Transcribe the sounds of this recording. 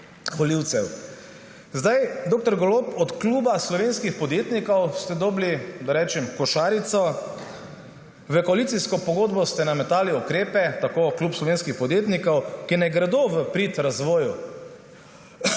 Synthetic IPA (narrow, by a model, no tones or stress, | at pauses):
xɔliwt̪sɛw | zd̪ajd̪oːk̚t̪ɔɾɡɔloːpɔt̪kluːbaslɔʋeːnskixpɔd̪jeːt̪nikɔwst̪ɛd̪ɔblid̪aɾɛːt͡ʃɛmkɔʃaːɾit̪sɔ | ʋəkɔalit̪siskɔpɔɡoːd̪bɔst̪ɛnamɛt̪aːliukɾeːpɛt̪akokluːpslɔʋeːnskixpɔd̪jeːt̪nikɔwkinajɡɾɛd̪oːʋəpɾit̪ɾazʋɔːju